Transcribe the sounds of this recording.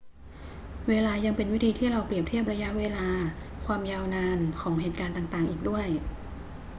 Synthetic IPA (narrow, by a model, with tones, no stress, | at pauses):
weː˧laː˧ja˧ŋpe˧nwi˦˥t̪ʰiː˧t̪ʰiː˥˩ɾa˧wpli˨˩əp̚t̪ʰi˥˩əp̚ɾa˧ja˦˥ʔweː˧laː˧ | kʰwaː˧mjaː˧wnaː˧nkʰɔː˩˦ŋɦeː˨˩t̪̚kaː˧nt̪aː˨˩ŋt̪aː˨˩ŋʔiː˨k̚du˥˩əj